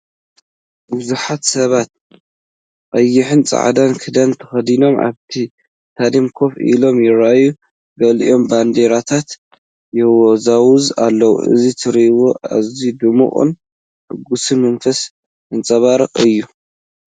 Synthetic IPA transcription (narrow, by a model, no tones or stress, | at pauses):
bɨzuħat̪sɐβat̪̚ | ʔʼɐjːɪħɨnt͡sʼa̰ʕ̰d̪ankʰɨd̪ɐnt̪ʰɐ̥xɐd̪ino̞mʔa̰βt̪ʰi | t̪ʰad̪imkʰo̞fḭlo̞mjɪɾaʔju | ɡɐlḭʔo̞mband̪eɾat̪ʰat̪ | jɛwɔzawʊza̰lːɐwṵʔɨ̰zit̪ʰɨɾiwoa̰zid̪ɨmṵχʼɨ̰n | ħʔɨɡusɨmɐnfɐs | ʔɨnt͡sʼɐβaɾɨχʼɨjːu